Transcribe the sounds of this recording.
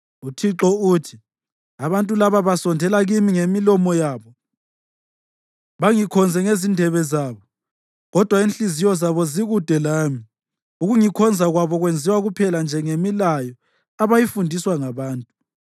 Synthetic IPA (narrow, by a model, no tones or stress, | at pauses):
utʰiǁɔuːtʰi | aβantʼulaβaβasɔndʱɛlaɣimiŋemilɔmɔjaːβɔ | βaŋikʰɔnd͡zʱɛŋezindʱɛβɛzaːβɔ | ɣɔd̥ʱwainɬizijɔzaβɔziɣud̥ʱɛlaːmi | uɣuŋikʰɔnd͡zʱaɣwaβɔɣwend͡zʱiwaɣupʰɛland͡ʒʱɛŋemilajɔ | aβajifundʱiswaŋaβaːntʼu